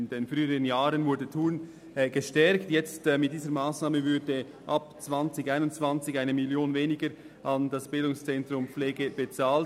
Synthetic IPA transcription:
ndenfʁyːəʁənjaːɾənvʊɾdətʰuːn | ɡ̥əʃtɛɾktjɛt͡stːmɪt̚d̥iːzəɾmaːsnaːməvʏdə | ʔɑpt͡svɑnt͡sɪçaɪnʊntt͡sv̥ɑnt͡sɪçaɪnəmɪljoːnveːnɪɡəɾ | ʔɑndɑsb̥ɪldʊŋst͡sɛntɾʊmfleːɡəb̥ət͡saːl

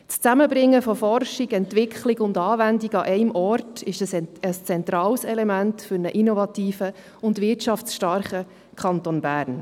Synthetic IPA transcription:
t͡st͡sæməbɾɪŋːəfɔfɔrʃiɡɛntʋɪkʰχliɡʊndɑːvændiɡɑʔɛɪmɔrtɪʃəsəst͡sɛntɾɑːlsɛlɛmæntfʏɾnəʔinɔvɑt̪iːfə | ʊndvɪtt͡ʃɑft͡sʃtɑɾχə | kʰχɑntonbæːɾn

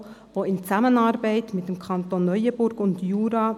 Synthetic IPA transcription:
voːɪnt͡samənɑɾbaɪtmɪt̚d̥emkʰɑntonːœʏəbʊɾɡ̥ʊndjuːɾɑː

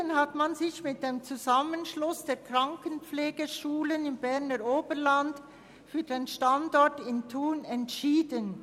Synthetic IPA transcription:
ənɦatmanzɪçmɪt̚d̥eːmt͡suzamənʃlʊsd̥eːɐkʁ̥aŋkənpp͡fleːɡəʃuːlənɪmbɛʁnəɾoːbəɾland | fyːɐdeːnʃtandɔɹtɪntʰuːnɛntʃiːdən

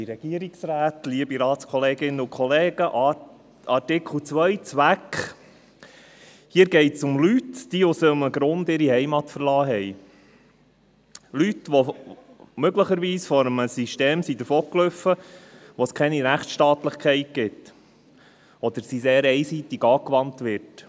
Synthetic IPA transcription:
iɾɛɡ̥iəɾiksɾæːtliəbiɾɑːt̪skʰɔleːɡɪnːəʊkʰχɔleːɡ̥əʔɑ | ɑtɪkʰl̩ˠt͡sʋœjt͡sʋækχ | hiːəɾɡɛɪtsʊmlytd̥iʊsəməɡɾʊnd̪ɪɾihɛɪmɑtfəɾlɑːɦɛj | lytʋɔ | møɡləχəɾʋiːsfɔɾəməsiʃteːmsid̪əɾfoːklʏfːəʋoskʰɛniɾæχtʃtɑːt̪ləχkʰɛɪt̚ɡ̥ɪt | ɔd̪əɾsiseːɾɛɪsiːt̪ɪɡɑːkʋɑntʋɪt

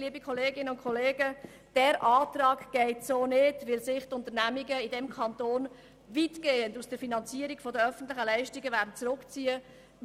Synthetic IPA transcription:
liəbikχɔleːɡɪnəʊntkʰɔleːɡə | d̥ɛːɾʔɑːtɾɑːɡɡ̥ɛɪtsoːnɪdʋɪlsɪχtʊntənæmiɡəɪdɛmkʰɑntoːn | vitɡ̥eːəndusd̥əɾfinɑnt͡siəɾiɡ̥fɔdəœfən̩t̪lɪχəlɛɪʃtiɡəvæːɾdn̩t͡sɾʊkt͡siːə

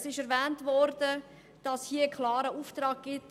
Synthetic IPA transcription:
sɪʃɛɾvɛːntvɔɾd̥ə | d̥ɑshiəkʰlɑːɾəuːftɾɑːk̚ɡ̥ɪt

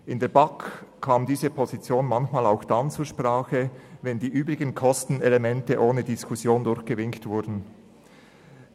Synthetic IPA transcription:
ʔɪndeːɐbakkʰːaːmdiːzəpʰozit͡sjoːnmançmaːlaʊxd̥ant͡suːɐʃpʁ̥aːxəvɛndiːʔyːbʁɪɡənkʰɔstn̩elemɛntəʔoːnədiskʰusjoːndʊɾçɡ̥əvɪŋktv̥ʊɾdn̩

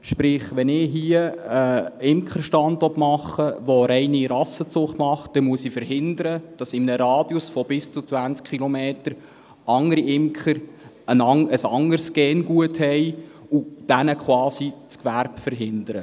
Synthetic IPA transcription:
ʃpɾɪχʋɛnɪɦiəəɪmkχəɾʃtɑnd̪ɔtmɑχːəʋɔɾɛjniɾɑsət͡sʊχtmɑχt̚d̥ɛmuəsifəɾɦɪnd̪əɾəd̥ɑsɪmnəɾɑːd̥jusfɔb̥ɪst͡sut͡sʋænt͡skχilɔmeːtəɾ | ɑŋəɾiɪmkχəɾ | ənɑŋəsɑŋəɾsɡ̥ɛːnɡuəthɛj | ud̥ænəkʰχwɑːsit͡skʋæɾbfəɾɦɪnd̥̪əɾə

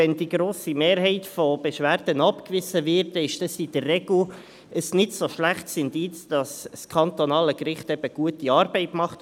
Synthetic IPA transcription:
ɛndiɡɾoːsimeːɾɦɛɪtfob̥eʃʋæːɾd̥ənɑpkvɪzəvɪɾtɪʃd̥ɑsid̥ərːɛɡl̩ | ʔəsnɪdsoʃlæχtsɪndɪt͡sd̥ɑsskʰɑnt̪onɑːləkɾɪχtɛb̥əɡ̥uətiɑːɾbɛɪtmɑχt

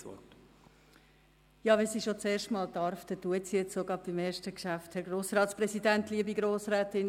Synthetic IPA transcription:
ɔ̰t | jɑːʋɛnsiʃot͡seːʃtmɑːldɑɾft̪ɛtuətsijɛt͡ssoɡɑb̚b̥imeːɾʃtəkʃæfthɛɾɡɾoːsɾɑːtspɾɛsidæntliəbiɡɾoːsɾæːtɪn

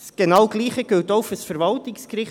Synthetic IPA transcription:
sɡ̥enɑwɡ̥liːχəɡ̥øltɔʊfəsfɛɾvɑltɪkskɾɪχ

